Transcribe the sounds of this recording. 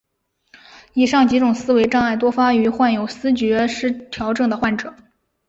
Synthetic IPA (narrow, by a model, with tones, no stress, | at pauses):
i˥˩ʂɑ˥˩ŋt͡ɕi˧˥ʈ͡ʂʊ˨˩ŋsɹ̩˥we˧˥ɪʈ͡ʂɑ˥˧ŋa˥˩ɪt̪wɔ˥fa˥y˧˥xwa˥˩njo˨˩ʊsɹ̩˥t͡ɕɥɛ˧˥ʂɻ̩˥˩t̪ʰjɑ˧˥ʊʈ͡ʂɤ˥˩ŋd̪ə˩xwa˥˩nʈ͡ʂɤ˨˩˦